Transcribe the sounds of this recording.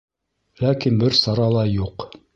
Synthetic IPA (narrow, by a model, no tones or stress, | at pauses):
lækinbɘɾsɑɾɑlˠɑjuq